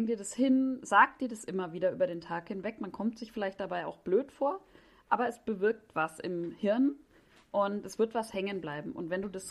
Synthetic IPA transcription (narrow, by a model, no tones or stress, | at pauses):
ŋdiːɐdashɪnzaːk̚t̚d̥iːɐdasʔɪmɐviːdɐʔy̰ːbɐɾeːntʰaːkhɪnvɛkmankʰɔmtz̥ɪçfɪlaɪçt̚d̥abaɪa̰ʊxb̥løːtfoːɐ | ʔaːbɐɛsb̥əvɪɐk̚tv̥asʔɪmhɪɐn | ʔʊntʔɛsv̥ɪɐtv̥ashɛŋənblaɪbm̩ʔʊ̰ntvɛnduːdas